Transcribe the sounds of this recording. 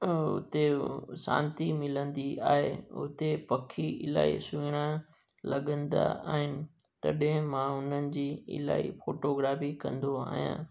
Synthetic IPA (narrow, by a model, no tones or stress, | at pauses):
ʊ̰t̪esã̰ːnt̪imɪlə̃nd̪iaːɦeʊt̪epɐkʰiɪla̰ːḭsuɽ̃ã | lɐɠə̃nd̪a̰aːɦɪnɪ̆ | t̪ɐɗɪ̃mãʊn̤ənɪ̆d͡ʑiːɪ̰la̰ːḭfoːʈoɡɾaːfikɐ̃nd̪oa̰ːɦijã̰ː